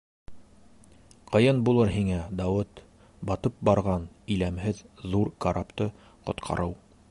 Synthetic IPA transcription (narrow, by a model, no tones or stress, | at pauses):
qɤ̆jɤnbulˠɤɾɦiŋæd̪ɑwɘt̪ | bɑt̪ɤp̚bɑɾʁɑnɵ̆jlæmhɘðːuɾkaɾʔapt̪ɤ | qŏt̪qʰɑ̰ɾʔɤw